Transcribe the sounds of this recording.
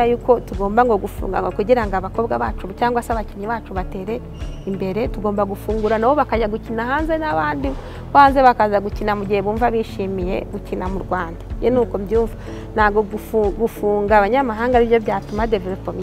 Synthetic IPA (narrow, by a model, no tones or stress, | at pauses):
ajuːko̞tuɡo̞ːmbaŋɡo̞ɡufṵːŋɡa̰ŋɡokuɟiɾaŋɡaβako̞bɡaβaːt͡ʃuβcaːŋɡwasaβaciɲiβaːt͡ʃuβate̞ːɾe̞ | imbe̞ɾe̞tuɡo̞ːmbaɡufuːŋɡuɾanawo̞βakaɟaɡucinaɦaːnze̞naβaːndi | βaːnzeβakazaɡucinamuɟiheβuːɱvaβiʃiːmije̞̰βucinamuɾɡwaːndajenuːkobjuːɱva | nhaɡoɡufɡufuːŋɡaβaɲamaɦaːŋɡaɾiβjoβjaːtumadevelopomi